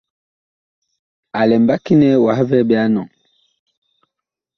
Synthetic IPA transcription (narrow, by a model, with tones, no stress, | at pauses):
a˨lɛ˨m˨ba˦ki˦nɛ˦wa˨hvɛ˦bɛ˦a˦nɔ˨ŋ